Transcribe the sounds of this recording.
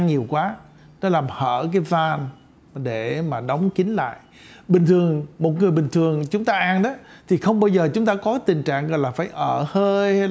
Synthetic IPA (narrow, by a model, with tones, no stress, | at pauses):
ŋɲi˨˩əwkwaː˨˦ | nɔ˨˦laː˨˩mhəː˧˩kaː˨˦jvaː˧n | ɗe˧˩maː˨˩ɗə˨˦wŋ͡mki˨˦ŋla̰ː˧˨j | ɓï˨˩ŋ̟t̪ʰɨ˨˩əŋmo˨˩t̚ŋɨ˨˩əjɓï˨˩ŋ̟t̪ʰɨ˨˩əŋt͡ɕʊ˨˦ŋ͡mt̪aː˧ʔaː˧nɗɔ˨˦t̪ʰi˨˩xə˧wŋ͡mɓaː˧wzəː˨˩t͡ɕʊ˨˦ŋ͡mt̪aː˧kɔ˨˦kaː˨˦t̪ï˨˩ŋ̟t͡ɕa̰ː˧˨ŋɣɔ̰˧˨jlaː˨˩faː˧˩jʔəː˧˩həː˧jh